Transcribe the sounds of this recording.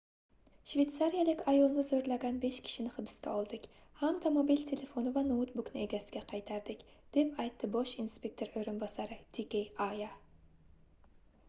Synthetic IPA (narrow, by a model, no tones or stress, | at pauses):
ʃvet̪saɾijalɪkʲajolˠnɪzɵɾlaɡʲanbeʃkʲʰɪ̥ʃɪnɪχɨbɨ̥skʲɛ̰ɒlˠd̪ɪkʲ | hamd̪amobilt̪ʰelefonɪvanot̪bʊknɪeɡʲasɪɡʲɛqʰɑjt̪ʰaɾd̪ɪkʲd̪̥epajt̪ʰːɪboʃinspʲek̚ʲt̪ʰoɾɵjɾɨnbɒsaɾɪt̪ʰekʲejɑja